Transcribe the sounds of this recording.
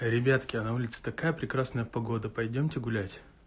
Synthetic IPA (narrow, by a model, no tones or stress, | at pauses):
ɾʲɪbʲat̪kʲɪɐnɐulʲɪt̪sə̥t̪ɐkajəpɾʲɪkɾasnəjəpɐɡo̞d̪əpɐjdʲomtʲɪɡʊlʲætʲ